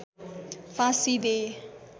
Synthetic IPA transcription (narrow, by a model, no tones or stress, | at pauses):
fãsid̪e